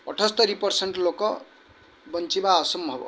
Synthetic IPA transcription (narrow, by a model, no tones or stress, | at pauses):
ʌ̰ʈʰʌst̪ʌɾipʌrseɳʈlokʌ | bʌnt͡sibaʌsʌmbʱʌbo̰